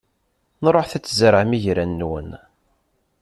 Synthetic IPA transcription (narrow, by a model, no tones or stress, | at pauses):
nɾˤoħθæt͡sːzəɾʕmiʝɾænːwə̰n